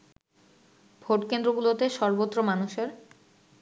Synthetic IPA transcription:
bʱoʈkend̪ɾoɡulot̪eʃɔɾbot̪ːɾomanuʃeɾ

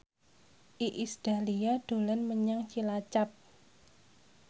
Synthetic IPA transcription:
ʔiʔisd̥a̤liaɖ̥o̤lanməɲaŋt͡ʃilat͡ʃap̚

